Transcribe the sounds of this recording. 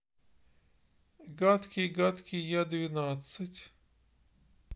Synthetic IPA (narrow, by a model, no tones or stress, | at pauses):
ɡat̪kʲiɡat̪kʲijad̪ʲvʲinat̪sɨtʲ